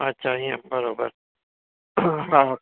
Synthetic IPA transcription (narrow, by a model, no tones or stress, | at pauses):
ɐtːʃʰaɦiẽbɐɾoːbə̰ɾ | ɦã